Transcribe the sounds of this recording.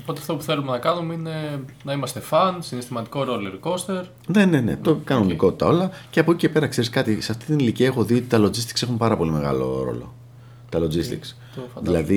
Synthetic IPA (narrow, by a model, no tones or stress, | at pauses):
opo̞t̪eɐft̪o̞puθe̞lumenɐkɐnumine̞nɐimɐst̪efɐnsinest̪imɐt̪i̥ko̞ɾoleɾko̞st̪e̞ɾ | ne̞ne̞ne̞̰t̪okɐnoniko̞t̪it̪ɐ̰o̞lɐceɐpocicepe̞ɾɐkse̞ɾiskɐt̪isɐft̪i̥t̪iniliciɐexo̞ðiot̪it̪ɐlo̞d͡zist̪i̥kse̞xumpɐɾɐpo̞lime̞ɣɐ̰lo̞̰ɾo̞̰lo̞̰ | t̪ɐlod͡zist̪ḭks | ðilɐði